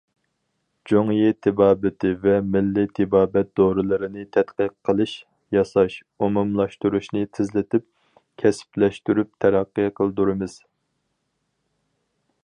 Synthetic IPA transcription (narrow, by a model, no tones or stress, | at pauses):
d͡ʒoŋjit̪ʰɪbɑːbɪt̪ʰɪvɛmɪlːit̪ʰɪbɑːbɛt̪̚d̪̥oɾɨlˠɨɾɨnɨt̪ʰɛt̪qəqʰːəlˠɨʃ | jɑsɑʃ | umumlˠɑʃt̪uɾuʃnɨt̪ʰɪzlɪt̪ʰɪp̚ | kʲʰɛsplɛʃt̪yɾyp̚t̪ʰɛɾɑqːəqʰəlˠd̪uɾɨmɨz̥